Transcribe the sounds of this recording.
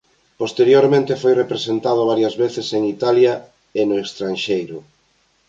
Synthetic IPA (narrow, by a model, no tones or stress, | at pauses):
post̪eɾjoɾmẽnt̪efojrepɾesent̪að̞ʊβaɾjɐzβeθeseŋit̪alja | enʊekst̪ɾanʃejɾʊ